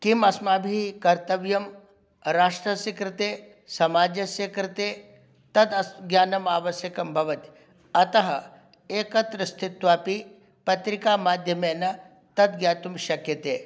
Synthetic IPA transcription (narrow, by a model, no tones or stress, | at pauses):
kimɐsmaːbʱikɐɾt̪ɐʋjɐm | ɾaːʂʈɾɐsikɾɪt̪eː | sɐmaːd͡ʒɐʃeːkɾɪt̪eː | t̪ɐd̪ɐsɡjaːnɐmaːʋɐʃjɐkɐmbʱɐʋɐt̪i | ɐt̪ɐɦɐ | eːkɐt̪ɾɐst̪ʰit̪ʋaːpi | pɐt̪ɾikaːmaːd̪ʱjɐmeːnɐ | t̪ɐd̪̚ɡjaːt̪umʃɐkjɐt̪ḛː